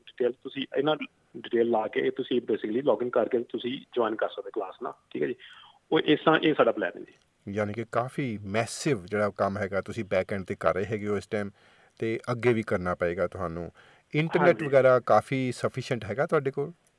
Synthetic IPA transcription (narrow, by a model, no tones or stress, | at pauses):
ɖɪʈeːlt̪ʊsĩːɪnãː | ɖɪʈeːlːaːket̪ʊsĩːbeːsɪkliːlɔːkɪ̃ŋɡkəɾkeːt̪ʊsĩːd͡ʒʋaːnkəɾsəd̪eːklaːsna̰ːʈʰiːkɛːd͡ʒiː | oːʔɪsãːʔeːsaːɖaːplɛ̰ːn̰ːd͡ʒiː | jaːniːkɪkaːfʰiːmɛːsɪʋd͡ʒeːɽaːkəmɦɛːɡaːt̪ʊsĩːbɛːkɛ̃ːɳɖ̚t̪eːkə̰ɾeːɦɛːɡeoːɪsʈaːm | t̪eːʔəɡːeːʋiːkəɾnaːpəeːɡaːt̪ʊɦaːnṵ̃ː | ɪɳʈəɾɾnɛːʈʋəɡɛːɾaːkaːfʰiːsəpʰiːʃəɳʈɦɛːɡaːt̪ʊɦaːɖeːkoːl